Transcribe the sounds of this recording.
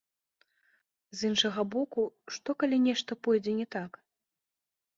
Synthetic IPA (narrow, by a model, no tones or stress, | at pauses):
zinʂɐɣɐbɔkuʂt̪ɔkalʲinʲɛʂt̪ɐpɔjd͡zʲɛnʲɛt̪ak